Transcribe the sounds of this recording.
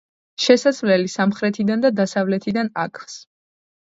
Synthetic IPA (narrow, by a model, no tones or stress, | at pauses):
ʃɛsasvlɛlisamχɾɛt̪ʰid̪and̪ad̪asavlɛt̪ʰid̪ana̰kʰs